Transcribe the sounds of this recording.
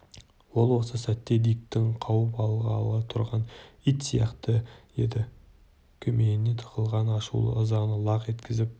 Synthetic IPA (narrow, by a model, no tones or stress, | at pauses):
wo̞lˠwo̞səsæt̪ːe̞d̪ijk̚t̪ɪŋqʰɑwəpɑlˠʁɑlˠʁət̪ʰʊɾʁɑnijt̪sijɑ̰qt̪əje̞d̪ɪ | kʲʰɵmeɪne̞t̪ʰə̥qəlˠʁɑnɑʃṵlˠə̰ʊzɑʁnəlˠɑqe̞t̪kʲʰɪzɪp̚